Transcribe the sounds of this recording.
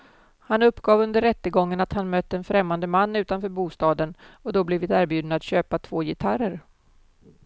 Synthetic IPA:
hanɵpːɡɑːvɵnd̪əɾːɛt̪ːəɡɔŋːənat̪hanmœt̪ːəɛnfɾɛmːand̪əmanːʉ̟ːt̪anfœːɾbuːst̪ɑːd̪ənɔd̪ɔblɪvɪt̪æːɾbjʉ̟ːd̪naat̪ɕøːpat̪ʰv̥oːjɪt̪ʰaɾəɾ

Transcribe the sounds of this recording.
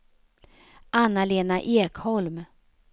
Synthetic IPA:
ʔanːaleːnaʔeːkhɔlm

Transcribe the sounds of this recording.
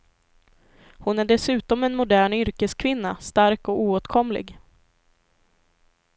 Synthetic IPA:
hʊnæɖɛsʉ̟ːt̪ɔmɛnmʊd̪æːɳʏɾkəskʰvɪnːast̪aɾkɔuːoːt̪kʰɔmlɪ̰ɡ

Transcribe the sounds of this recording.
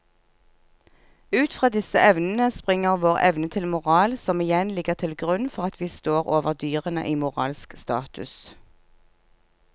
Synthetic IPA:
ʉːt̪fʁɑːd̪ɪsəʔɛʋnn̩əspʁɪŋəʁʋoːʁɛ̰ʋnət̪ʰɪlmʊʁɑːlsɔmɪjɛnlɪɡəʁt̪ʰɪlɡʁʉnfɔʁɑt̪ʰʋiːst̪oːʁoːʋəʁd̪yːʁənə̰ʔiːmʊʁɑ̰ːlskst̪ɑ̰ːt̪ʉ̰s

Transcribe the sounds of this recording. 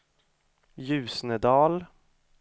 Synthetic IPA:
jʉ̟ːsnəd̪ɑːl

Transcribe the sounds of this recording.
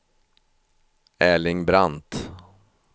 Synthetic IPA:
ɛːlɪŋbɾant̪

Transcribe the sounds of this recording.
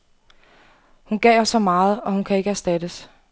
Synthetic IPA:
hunɡ̥ɛ̰ɪɒsɒ̽mɑ̈ːð̞̩ˠɒ̽hunkʰæe̝ɡ̥əæɐsd̥æd̥əs

